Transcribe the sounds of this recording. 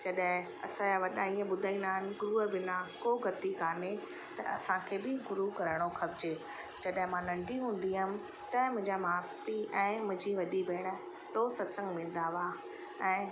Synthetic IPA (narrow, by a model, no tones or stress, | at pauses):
d͡ʑɐɗɦɪ̃ | ɐsãaʋɐɗaiə̃ɓʊd̪ʱaĩːnd̪aːɦɪnɪ̆ɡʊɾuəbɪnakoːɡɐt̪ikaːne | t̪ɐɐ̰sãkʰeːbɪɡʊɾukɐɾəɽ̃oxɐbd͡ʑe | d͡ʑɐɗɦɪ̃mãnɐ̃ɳɖʱiɦũːn̆d̪iɦʊmɪ̆ | t̪ɐmʊ̃ɦɪ̃ɲd͡ʑamaːpiɛ̃ːmʊ̃ɦɪ̃ɲd͡ʑiʋɐɗibeːɽ̃ə̆ | ɾoːsɐt̪sə̃ŋɡmɪ̃ːn̆d̪aʋa | ɛ̃ː